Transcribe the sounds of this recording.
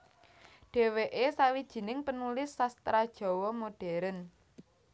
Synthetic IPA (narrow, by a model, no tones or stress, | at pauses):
ɖ̥e̤weʔesawid̥ʒ̥i̤nɪŋpənulɪsːast̪ɾad̥ʒ̥ɔ̤wɔmoɖ̥ɛ̤ɾən